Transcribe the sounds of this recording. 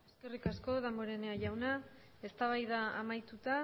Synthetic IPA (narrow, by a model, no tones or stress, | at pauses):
eske̞rikasko̞ðamboɾe̞neaʝawna | e̞st̪aβ̞ajðaa̰majt̪ut̪a